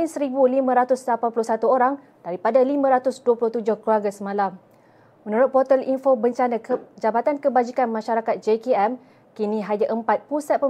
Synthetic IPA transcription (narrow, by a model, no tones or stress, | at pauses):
insəɾibulimãɾat̪ʊslapanpulʊsat̪uoɾaŋ | d̥aɾipadalimãɾat̪ʊsduwapulʊht̪ud͡ʒʊhkluwaɡasəmalam | mə̃nũɾʊt̪̚pot̪əlinfobəɲt͡ʃanãd͡ʒabat̪ankəbad͡ʒikanmãʃaɾakat̪̚d͡ʒekeɛm | kiniɦaɲaʔəmpat̪̚pusat̪̚pə